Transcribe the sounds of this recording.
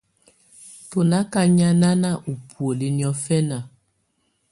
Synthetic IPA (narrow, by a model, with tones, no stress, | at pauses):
to˨la˦ka˦ɲa˦na˦na˦˨ʔu˨pʰu˨o˨li˨njɔ˨fɛ˦na˨